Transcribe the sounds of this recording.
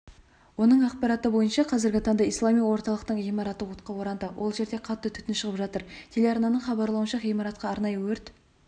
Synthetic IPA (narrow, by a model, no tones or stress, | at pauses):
wo̞nəɴɑqpɑɾɑt̪əbo̞jənʃɑqʰɑzɪɾɡʲɪt̪ʰɑnd̪əijslˠɑmijwo̞ɾt̪ɑlˠəqt̪əɴimɑɾɑt̪əwʊt̪̚qɑwo̞ɾɑnd̪əwʔo̞lˠʒe̞ɾd̪e̞qʰɑt̪ːət̪ʰʏ̥t̪ɪnʃəʁəpʒɑt̪əɾt̪ʲʰe̞leɑɾnɑnəɴχɑbɑɾlˠɑwənʃɑijmɑɾɑt̪̚qɑːɾnɑjəwɵɾt̪